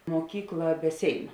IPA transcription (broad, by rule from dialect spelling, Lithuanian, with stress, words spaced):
muɔˈkʲiːklˠɐ bʲɛ ˈsʲeːɪnʊ